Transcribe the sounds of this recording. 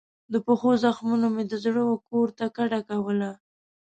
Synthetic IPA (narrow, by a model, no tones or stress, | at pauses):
d̪əpəxozaxmunomed̪əzɽəwokoɾt̪akaɽakawəla